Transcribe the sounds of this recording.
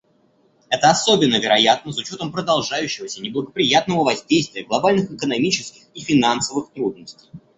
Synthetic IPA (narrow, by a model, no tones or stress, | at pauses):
ɛt̪əɐso̞bʲɪnːəvʲɪɾɐjat̪̚nəsʊt͡ɕo̞t̪əmpɾəd̪ɐlˠʐajʉɕːɪvəsʲənʲɪblˠəɡəpɾʲɪjat̪̚nəvəvɐzʲdʲejst̪vʲɪjəɡlˠɐbalʲnɨxɪkənɐmʲit͡ɕɪskʲɪxifʲɪnansəvɨxt̪ɾud̪̚nəsʲtʲɪj